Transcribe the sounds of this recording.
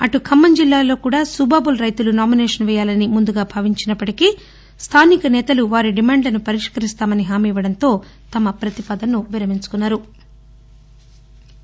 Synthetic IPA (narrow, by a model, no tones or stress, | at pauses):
ɐʈukʰɐmːɐɲd͡ʒilːaːlo̞ːkuːɽaːsubaːbulɾɐjt̪ulunaːminɛːʂɐnʋɛːjaːlɐnimund̪uɡaːbʱɐʋiɲt͡ʃinɐpːɐʈiki | st̪ʰaːnikɐnɛːt̪ɐluʋaːɾiɖimaːɳɖlɐnupɐɾiʂkɐɾist̪aːmɐniɦaːmiːʋɐɽɐnt̪o̞ː | t̪ɐmɐpɾɐt̪ipɐd̪ɐnːuʋiɾɐmiɲt͡ʃu̥kunːaːɾu